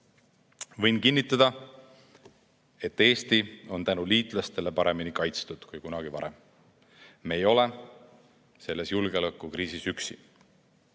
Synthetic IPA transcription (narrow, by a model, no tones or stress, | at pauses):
vɤjnkinːit̪ːˑɑd̪̥ɑ | e̞t̪ːe̞ːst̪io̞nt̪ænuliːt̪ːˑlɑst̪e̞le̞pɑɾe̞minikɑjt̪st̪ud̪̥kujkunɑɡ̥ivɑ̰ɾe̞m | mejo̞le̞ | se̞lːe̞sjulɡ̥eɑlekːˑukɾiːsisyksi